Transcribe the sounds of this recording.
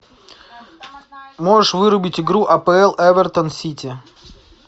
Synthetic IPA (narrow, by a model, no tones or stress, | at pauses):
moʐɨʂvɨɾʊbʲɪtʲɪɡɾuʔɐpɛɛlˠʔɛvʲɛrt̪ənsʲitʲɪ